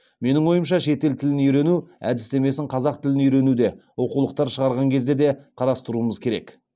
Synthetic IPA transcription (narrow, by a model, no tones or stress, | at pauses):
me̞nɪŋwo̞jəmʃɑʃe̞t̪e̞lt̪ʰɪlɪnijɾe̞nuæ̰d̪ɪst̪e̞me̞sɪŋqʰɑzɑq̚t̪ʰɪlɪnijɾe̞nud̪e̞wo̞qulˠəq̚t̪ɑɾʃəʁɑɾʁɑŋkʲʰe̞zd̪e̞d̪e̞qʰɑɾɑst̪əɾuəməzkʲʰe̞ɾe̞̰k